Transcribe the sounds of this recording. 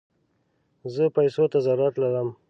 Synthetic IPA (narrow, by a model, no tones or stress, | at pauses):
zəpajsot̪azaɾat̪laɾəm